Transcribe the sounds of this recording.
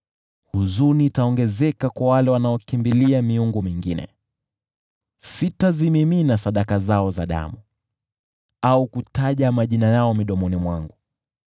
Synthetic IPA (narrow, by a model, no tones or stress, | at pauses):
huzuniːtaɔŋɡɛzɛkakwawalɛwanaɔkimbiliamiuŋɡumiŋɡinɛ̰ | sitazimiminasaɗakazaɔzaɗa̰mu | aukutaʄamaʄinajaɔmiɗɔmɔnimwaŋɡu